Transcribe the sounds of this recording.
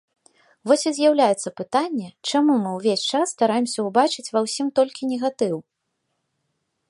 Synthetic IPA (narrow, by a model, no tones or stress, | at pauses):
vɔsʲizʲjawlʲajɛt̪sːɐpɨt̪anʲːɛt͡ʂamumɨwvʲesʲt͡ʂasːt̪aɾajɛmsʲɐubat͡ʂɨt͡sʲvɐwsʲimt̪ɔlʲkʲinʲɛɣat̪ɨw